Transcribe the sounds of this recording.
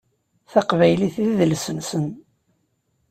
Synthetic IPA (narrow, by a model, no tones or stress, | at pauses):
θaqvæjliθðəlsənsən